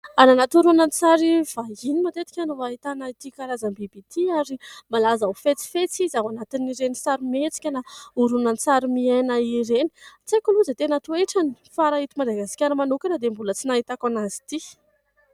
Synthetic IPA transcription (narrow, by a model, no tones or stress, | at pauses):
ananat̪uɾunant͡saɾiv̥aɦinimat̪et̪i̥kʲanuaɦit̪anait̪ikaɾazambibit̪ʰiaɾimalazaufet͡si̥fet͡sizaɦwanat̪iniɾenisaɾimet͡si̥kʲənauɾunant͡saɾimianaiɾeni̥t͡sekuluzət̪enat̪ueʈ͡ʂani̥faɾait̪imad̪aɡasi̥kʲaɾimanukʲanad̪embulət͡sinaɦit̪akanazi̥t̪i